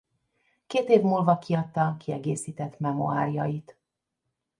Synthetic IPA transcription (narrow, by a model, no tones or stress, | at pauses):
keːt̪eːvmuːlvɒkʰiɒt̪ːɒkʰiɛɡeːsiːt̪ɛt̪mɛmo̰aːrijɒjit̪